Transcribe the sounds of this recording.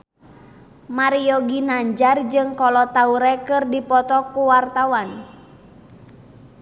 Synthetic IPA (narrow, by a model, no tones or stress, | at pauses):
maɾijɔɡinaɲd͡ʒard͡ʒɨŋkɔlɔt̪auɾɛkɨrdipɔt̪ɔkuwart̪awan